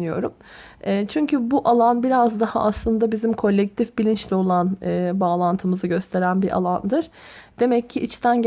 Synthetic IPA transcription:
nijo̞̰ɾum | ɛːt͡ʃʰyɲcʰybuʔalˠanbiɾazd̪aha̰aslˠɯnd̪abizimkʰo̞lʲːɛc̚t̪ʰifbilʲint͡ʃlʲɛo̞lˠanɯːbaːlˠant̪ʰɯmɯzɯɟø̞st̪ʰe̞ɾænbiɾʔa̰lˠand̪ɯɾ̥d̪̥e̞mɛcʰːiʔit͡ʃt̪ʰænɟ

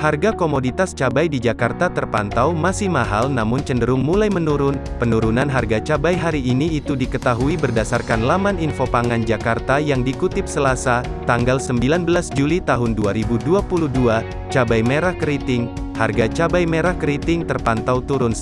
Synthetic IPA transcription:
harɡakomodit̪ast͡ʃabajdid͡ʒakart̪at̪ərpa̰nt̪awmasɪhmaɦalnamʊnt͡ʃəndəɾʊŋmulajmənuɾʊnpənuɾunanɦarɡat͡ʃabajɦaɾiːniːt̪udikət̪aɦuibərdasarkanlamaninfopaŋand͡ʒakart̪ajaŋdikut̪ɪp̚səlasat̪aŋɡalsəmbilanbəlasd͡ʒulit̪aɦʊnduaɾibuduapuludua | t͡ʃabajmeɾahkəɾit̪ɪŋ | ha̰rɡat͡ʃabajmeɾahkəɾit̪ɪŋt̪ərpant̪awt̪uɾʊns

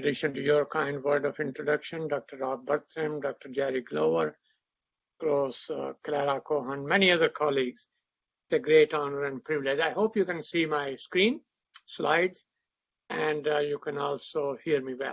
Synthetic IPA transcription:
əɖɪʃə̃nʈujɔɾkãɪ̃ɳɖʋəɾɖɔfɪ̃ɳʈɾoɖʌkʃə̃nɖɔːk̚ʈəɾːaːb̚bʌɾt̪ʰɾə̃mɖɔk̚ʈəɾd͡ʒæɾiɡloːʋəɾ | kɾoːsklæɾaːkoæ̃nɖmɛniʌd̪əɾkʰɑliːɡz̥ | d̪̥eɡɾeːʈɔːnəɾæ̃ɳɖ̚pɾɪʋɪled͡ʒaɪɦoːpjuːkɛ̃nsiːmaɪskɾĩːn | sla̰ɪɖz | æ̃ɳɖjuːkɛ̃nɔːlsoːhiəɾmiːwɛ̰l

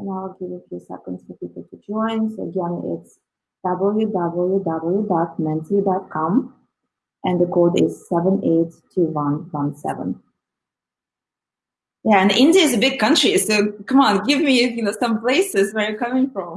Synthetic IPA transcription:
ɨ̃naɪlˠɡɪvjəfjusɛ̰kə̃ndstəfikəlˠtɨd͡ʒɔ̃ɪ̃nsoʊəɡɛ̃nɪ̰ts | d̥ʌbl̩ˠjudʌbl̩ˠjudʌbl̩ˠjudɑt̚mɛ̃ntidɑt̚kʰɑ̃m | ʔɨ̃nðəkʰodɪz̥sɛvə̃neɪtʰːɨwʌ̃nwʌ̃nsɛ̰və̰̃n | jæɨ̃nʔɪ̃ndiɨɨzɨbɪɡ̚kʰʌ̃nt͡ʃɹ̥isoʊkʌ̃mɑ̃nɡɪvmijɨnoʊsʌ̃mpl̥eɪsɪzwɛ˞jə˞kʌmɪ̃ŋfɹʌ̃m

